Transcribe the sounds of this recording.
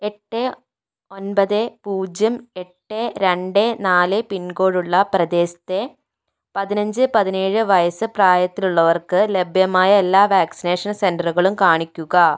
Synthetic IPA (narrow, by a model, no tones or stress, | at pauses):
e̞ʈːe | o̞nbɐðepuːd͡ʑjɐme̞ʈːeɾeɳɖenaːlepinɡo̞ːɻuɭːɐprɐd̪e̞ːsɐ̥t̪ːe̞ | pɐðinɐɲd͡ʑɨpɐðineːɻɨʋɐjɐsɨpraːjɐt̪ːiluɭːɐʋɐrkɨlebʱjɐmaːjɐelːaːʋaːksine̞ːʂɐnsendɐruɣɐɭumkaːɳikʲːuɣɐ